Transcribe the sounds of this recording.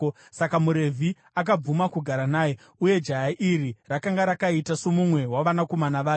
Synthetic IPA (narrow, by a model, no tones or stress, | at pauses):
sakamuɾe̞vʱi | ak̬ab͡vumakuɡʱaɾanaːje̞ | uje̞d͡ʒajaʔiɾirakaŋɡaɾakaitasomumwe̞waʋanako̞manaʋaːke